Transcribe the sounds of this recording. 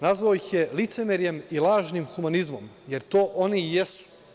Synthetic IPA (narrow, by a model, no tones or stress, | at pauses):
nazʋaojixjelit̪semeɾje̞milˠaːʒnimxumanizmo̞m | je̞ɾt̪o̞ːʔo̞nijesu̥